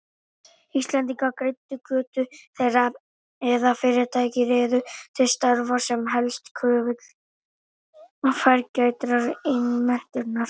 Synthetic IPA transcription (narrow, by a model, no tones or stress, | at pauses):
ist̪lɛnt̪iŋkakɾejt̪ːʏkʰœːt̪ʏθejɾa | ɛðafɪːɾɪɾt̪ʰaːjcɪɾɪːðʏt̪ʰɪst̪aɾvḁsɛmɦɛlst̪kʰœːvɪt̪l̥ | ɔfɛɾcaːɥjt̪ɾaɾɪnːimɛn̥t̪ʏɾnaɾ̥